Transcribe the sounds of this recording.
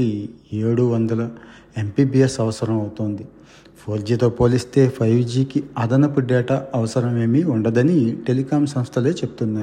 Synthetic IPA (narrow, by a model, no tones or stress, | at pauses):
ieːɽuʋɐnd̪ɐlɐ | empiːbiːesɐʋɐsɐɾɐmɐwt̪oːnd̪i | pʰoːɾd͡ʒiːt̪o̞ːpo̞ːlist̪e̞ːpʰɐjʋd͡ʒiːkiɐd̪ɐnɐpuɖɛːʈaːɐʋɐsɐɾɐme̞ːmiuɳɖɐd̪ɐniʈe̞likaːmsɐ̃mst̪ʰɐle̞ːt͡ʃe̞bu̥t̪unːaːj